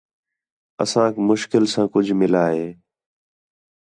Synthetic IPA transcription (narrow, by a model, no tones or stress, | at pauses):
ə̰sãːkmʊʃkɪlsãːkʊd͡ʒʱmɪlaːɦeː